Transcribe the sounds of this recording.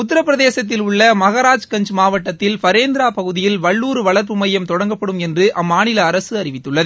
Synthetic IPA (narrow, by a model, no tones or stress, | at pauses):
ʊt̪ːɪɾɐpːɪɾɐðeːsɐt̪̬ːɪlʊɭːɐmɐɣɐɾaːd͡ʒkɐɲd͡ʒmaːʋɐʈːɐt̪ːɪlfɐɾeːnd̪ɪɾaːpɐɣɯðɪjɪlʋɐɭːuːɾɯʋɐɭɐɾpɯmɐjːɐmt̪ɔɽɐŋɡɐpːɐɽɯmɛndrɯʔɐmːaːnɪlɐːɾɐsɯɐɾɪʋɪt̪ːɯɭːɐðɯ